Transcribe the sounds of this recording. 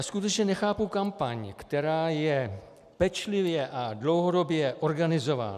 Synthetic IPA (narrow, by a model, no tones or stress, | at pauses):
askut̪ɛt͡ʃɲɛnɛxaːpukampaɲkt̪ɛɾaːjɛ | pɛt͡ʃlɪvjɛʔadlo̞wɦodo̞bjɛʔo̞ɾɡanɪzo̞va̰ːn